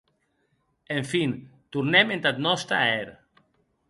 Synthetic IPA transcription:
ɛnfint̪uɾnɛment̪at̪nɔst̪a̰ɛɾ

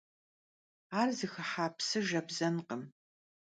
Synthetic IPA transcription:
aːrzɨxɐħaːpsɨʒɐbzɐnqəm

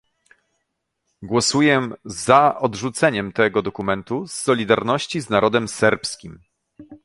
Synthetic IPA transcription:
ɡwɔsujɛzaʔɔd̪ʐut̪sɛɲɛmt̪ɛɡɔd̪ɔkumɛnt̪usːɔlʲid̪aɾnɔɕt͡ɕiznaɾɔd̪ɛmsɛɾpskʲim

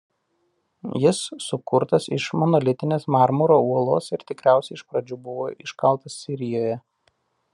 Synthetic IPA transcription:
jɪsːʊkʊɾt̪ɐsɪ̰ʃmɔnɐlʲɪt̪ʲɪnʲeːsmɑɾmʊɾoːuɔlˠo̰ːsɪɾt̪ʲɪkɾʲæˑʊsʲɛɪɪʃpɾɐd͡ʒʲʊbʊʋoːʔɪʃkɐlˠt̪ɐsːʲɪɾʲɪjoːjɛ

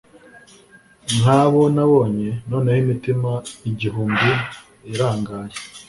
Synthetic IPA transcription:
ŋhaːβo̞naβo̞ːɲe̞no̞ːnejimitimaiɟiɦuːmbi | iɾaːŋɡaːje

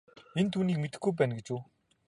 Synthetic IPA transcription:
ent̪ʰuːniːkmet̪ɘ̆xɡujp̬æːnɡet͡ɕuː

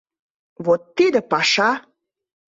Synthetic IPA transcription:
βot̪ːid̪ə̆pɑʃɑ

